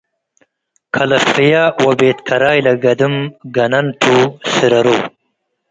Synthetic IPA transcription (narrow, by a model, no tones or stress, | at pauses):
kʰalɐsijawabeːt̪kʰɐɾaːjlaɡɐd̪umɡɐnɐnʈʰusiɾɐɾuː